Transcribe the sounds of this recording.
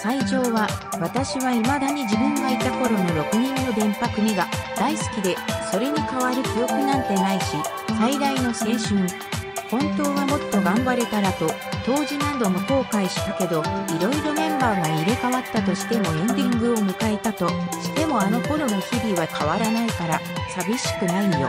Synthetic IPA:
saiʑo̞ːβaβat̪aɕiβaimad̪aɲ̟id͡ʑibɯ̟̃ŋɡait̪ako̞ɾo̞no̞ɾo̞kɯ̟ɲ̟ĩnːo̞d̪ẽ̞mpakɯ̟ɲiɡad̪̥aisɨ̥kʲid̪e̞so̞ɾe̞ɲ̟ikaβaɾɯ̟kʲijo̞kɯ̟nãnt̪e̞naiɕi | said̪aino̞se̞ːɕɨ̃ŋ | hõ̞nt̪o̞ːβamo̞t̪ːo̞ɡãmbaɾe̞t̪aɾat̪o̞ | t̪o̞ːʑinãnd̪o̞mo̞ko̞ːkaiɕi̥t̪ake̞d̪o̞iɾo̞iɾo̞mẽ̞mbaːɡaiɾe̞kaβat̪ːat̪o̞ɕi̥t̪e̞mo̞ẽ̞nd̪ʲĩŋɡɯ̟o̞mɯ̟kae̞t̪at̪o̞ɕi̥t̪e̞mo̞ano̞ko̞ɾo̞no̞çibʲiβakʰaβaɾanaikaɾasabʲiɕi̥kɯ̟nainojo̰

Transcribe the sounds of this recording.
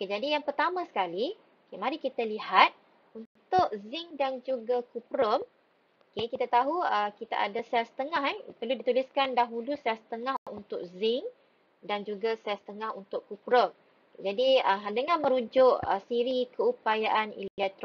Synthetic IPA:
oked͡ʒadijaŋpərt̪amãsə̥kali | okemaɾikit̪alihat̪̚ | unt̪ʊʔzɪŋdand͡ʒuɡakupɾəm | okekit̪at̪aɦuəkit̪a̰ʔa̰dasɛlsə̥t̪əŋaɦanpərludit̪uliskandaɦulusɛlsə̥t̪əŋahunt̪ʊʔ̚zɪŋ | dand͡ʒuɡasɛsə̥t̪əŋãhunt̪ʊʔkupɾəm | d͡ʒadiədəŋãnmə̃ɾud͡ʒʊʔə̰siɾikəupajaʔanḭllɛk̚t̪ɾ

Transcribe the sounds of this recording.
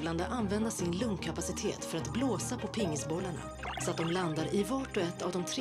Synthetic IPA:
vland̪əʔanːvɛnd̪asɪnlɵŋkʰapasɪt̪ʰḛːt̪fœɾat̪bloːsapʰɔpʰɪŋːəsbɔlːaɳa̰ | sɔat̪̚d̪ɔmland̪aɾɪvaʈɔɛt̪ːa̰vd̪ɔmt̪ʰɾ

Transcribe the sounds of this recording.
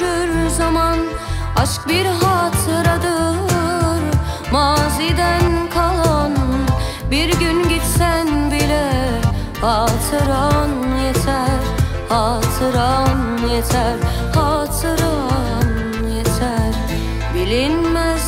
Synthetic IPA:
yɾzɑmɑn | ɑt͡ʃɯ̥k̚biɾɦɑːt̪ʰɯɾɑd̪ɯ | ɾ | mɑːzid̪ænkʰɑlˠɑn | biɾɡynɟit̪sænbilɛ | hɑːt̪ʰɯɾɑnjet̪ʰæɾ | hɑːt̪ʰɯɾɑn | jet̪ʰæɾ | hɑːt̪ʰɯɾɑ | n | jet̪ʰæɾ | bilinmæz

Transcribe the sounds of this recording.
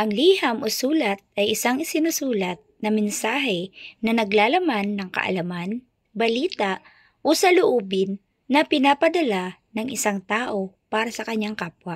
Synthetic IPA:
ʔɐŋliːhɐmʔosuːlɐt̪̚ʔɐjʔɪsaŋɪsɪnʊsuːlɐt̪̚nɐmɛnsaːɦɛnɐnɐɡlaːlɐmanːɐŋkɐ̰ʔɐ̰lɐman | bɐliːt̪aʔ | ʔosɐlʊʔoːbɪnː | ɐpɪnaːpɐd̪ɐlanɐŋʔɪsaŋt̪aːʔo̞paːɾɐsɐkɐɲːaŋkaːpwɐ

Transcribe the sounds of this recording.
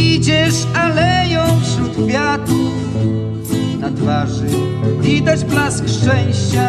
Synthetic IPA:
id͡ʑɛʂ | alɛjɔ̃w̃fɕɾut̪fʲjat̪u | nat̪vaʐɨ | vʲid̪ad͡ʑblaskʂt͡ʂɛw̃ɕt͡ɕa

